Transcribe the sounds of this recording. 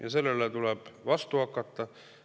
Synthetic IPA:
jɑse̞lːelet̪ulɛb̥vɑst̪uhɑkːˑɑt̪ːɑ

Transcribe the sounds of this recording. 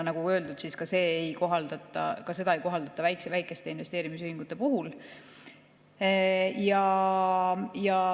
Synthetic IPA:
nɑɡ̥uø̞ːld̪ud̪̥siskɑse̞ːejko̞ɦɑld̪̥ɑt̪ːˑɑ̰kɑse̞d̪ɑe̞jko̞ɦɑld̪̥ɑt̪ːˑɑvæjksevæjkːˑe̞st̪e̞inve̞st̪eːɾimis̬yhiŋɡ̥ut̪ːˑe̞puɦul | jɑ | jɑ

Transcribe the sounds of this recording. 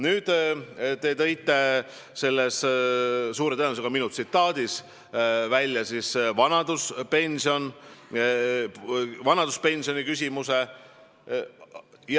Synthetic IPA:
nyːd̪̥t̪e̞t̪ɤ̞jt̪ːˑe̞ | se̞lːes | suːɾe̞t̪ɤelnusekɑminut̪sit̪ːˑɑːd̪̥is | vælʲjɑsisvɑnɑd̪̥uspe̞nʲsio̞n | vɑnɑd̪̥uspe̞nʲsio̞nikys̬ʲimuse̞ | j

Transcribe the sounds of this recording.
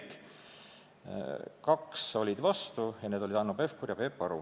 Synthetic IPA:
k | kɑkso̞lʲid̪̥vɑst̪ujɑned̪o̞lid̪ɑnope̞fkuɾjɑpe̞pːɑɾṵ

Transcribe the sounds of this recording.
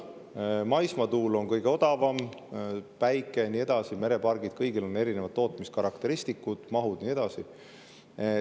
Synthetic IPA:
mɑjsmɑt̪uːlo̞nkɤjɡ̥e̞o̞d̪̥ɑvɑm | pæjkːˑenie̞d̪̥ɑsime̞ɾe̞pɑrɡ̥id̪̥̚kɤjɡilo̞nːe̞ɾine̞vɑd̪ːo̞ːt̪ˑmist̪kɑɾɑkt̪e̞ɾist̪ikːud̪̥mɑɦud̪̥nie̞d̪̥ɑsi

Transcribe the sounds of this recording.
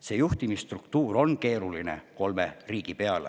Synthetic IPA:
se̞ːjuht̪imist̪rukt̪uːɾo̞nke̞ːɾuline̞̰ko̞lmeriːɡ̥ipe̞ɑlḛ

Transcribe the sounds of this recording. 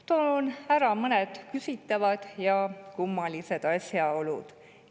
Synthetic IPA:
t̪onæɾɑmɤned̪̥kysit̪ːˑɑvɑd̪̥jɑkumːɑlise̞d̪̥ɑsʲjɑo̞lṵd̪̥

